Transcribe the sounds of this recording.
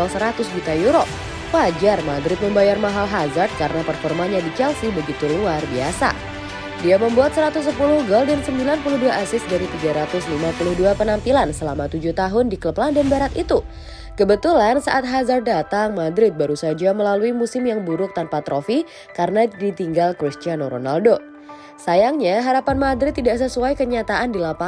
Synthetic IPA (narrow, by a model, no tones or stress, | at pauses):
ɔlsəɾat̪ʊsd͡ʒut̪ajuɾoʔ | wad͡ʒarmadɾɪt̪̚məmbajarmaɦalɦazard̪̚kaɾənapərfɔrmanɲadit͡ʃɛlsibəɡit̪uluarbiasa̰ | diaməmbuat̪̚səɾat̪ʊs̬ːəpulʊhɡɔldansəmbilanpulʊhduaʔːsɪsdaɾit̪iɡaɾat̪ʊslimapulʊhduapənampilansəlamat̪ud͡ʒuht̪aɦʊndikləplandanbaɾat̪it̪u | kəbət̪ulansaʔat̪ɦazardat̪aŋmadɾɪt̪̚baɾusad͡ʒaməlaluimusɪmjaŋbuɾʊk̚t̪anpat̪ɾofi | kaɾənadit̪iŋɡalkɾist̪ianoɾo̰naldo | sajaŋɲaɦaɾapanmadɾɪt̪ːidaʔsəsuajkəɲat̪aʔandilapa